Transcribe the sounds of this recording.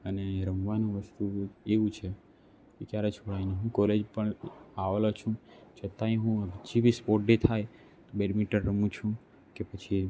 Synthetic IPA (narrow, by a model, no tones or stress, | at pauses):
əneɾəmʋanũʋəst̪ueʋũt͡ʃʰe | kekjaɾet͡ʃʰoɽaineɦũkɔled͡ʒpəɳaʋelot͡ʃʰũt͡ʃʰət̪aĩɦũd͡ʒʰibispoʈɖet̪ʰaj | t̪obeɽmiʈəɾːəmũt͡ʃʰũ | kepət͡ʃʰi